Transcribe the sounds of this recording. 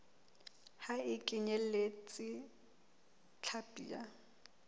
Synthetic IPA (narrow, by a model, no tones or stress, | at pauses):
haɪkʼɪɲɛlet͡sʼɪ | t͡ɬʰapʼḭːa